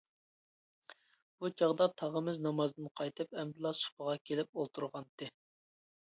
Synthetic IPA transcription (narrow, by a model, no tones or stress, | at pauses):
b̥ut͡ʃʰɑʁd̪ɑt̪ʰɑʁəmɪznɑmɑzd̪ɨnqʰɑjt̪ʰɨpɛmɾlˠɑsu̥pəʁɑkʲʰelɪp̚olˠt̪ʰuɾʁɑnt̪ɨ